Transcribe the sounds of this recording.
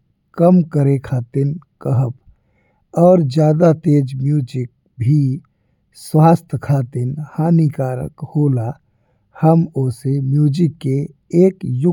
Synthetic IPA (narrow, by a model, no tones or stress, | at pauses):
kəmkəɾekʰaːt̪ɪnkəɦəp | ɔːɾd͡ʒjaːd̪at̪eːd͡ʒmjuːd͡ʒɪk̚ | bʱi | swaːst̪ʰkʰaːt̪ɪnhaːnikaːɾə̰khoːla | həmoːsemjuːd͡ʒɪkːe | eːkjʊ